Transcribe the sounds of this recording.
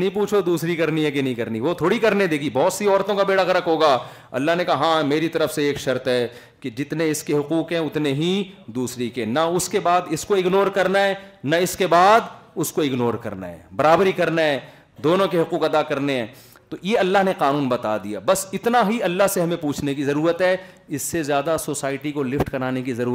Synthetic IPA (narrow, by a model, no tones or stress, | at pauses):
ɐɦĩpuːt͡ʃʰod̪uːsɾikɐɾniɦɛkenɐɦĩkɐɾniʋot̪ʰoːɽikɐɾned̪eːɡibɔːt̪siɔːɾt̪õkabeːɽaɣɐɾəkɦoːɡaː | ɐ̰lːaɦnekaɦãːmeːɾit̪ɐɾəfseeːkʃɐɾt̪ɦɛ | ked͡ʒɪt̪neɪskeɦʊquːqɦɛ̃ʊt̪neɦid̪uːsɾikenɐʊskebaːd̪ɪskoɪɡnoːɾkɐɾnaɦɛːnɐɪskebaːd̪ʊskoɪɡnoːɾkɐ̰ɾna̰ɦɛ̰ːbɐɾaːbəɾɦikɐɾnaɦɛ̃ː | d̪oːnõkeɦʊquːkɐd̪akɐɾneɦɛ̃ː | t̪ojeɐlːaɦneqaːnuːnbɐt̪ad̪ija̰ːbɐsɪt̪naɦiɐlːaɦseɦɐmẽpuːt͡ʃʰnekizɐɾuːɾət̪ɦɛ | ɪsːezjaːd̪asoːsaːɪʈikolɪfʈkɐnaːnekizɐɾuːɾ